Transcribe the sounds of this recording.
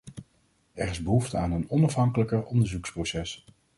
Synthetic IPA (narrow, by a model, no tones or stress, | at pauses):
ɛɹɪzbəɦuftəaːnənɔnɑfɦɑŋkələkərɔndəɹzuksprowsɛs